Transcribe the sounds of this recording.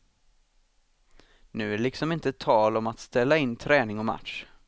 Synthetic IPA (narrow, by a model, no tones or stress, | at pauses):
nʉ̟ːælɪksɔmɪnt̪ət̪ʰːɑːlɔmat̪st̪ɛlːaɪnːt̪ʰɾɛːnɪŋɔma̰t̪ʂ